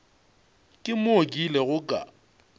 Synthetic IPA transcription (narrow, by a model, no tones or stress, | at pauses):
kʼɪmokʼilɛɣʊkʼa̰